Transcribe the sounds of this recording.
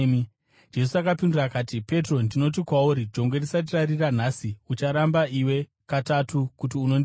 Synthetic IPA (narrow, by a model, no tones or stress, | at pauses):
d͡ʒe̞s̬uakapindurakaːtipe̞tro̞ndino̞t̬ikwauɾid͡ʒo̞ŋɡwerisat̬irariran̤asiut͡ʃaɾambaiwe̞ | katatʰukutiuno̞n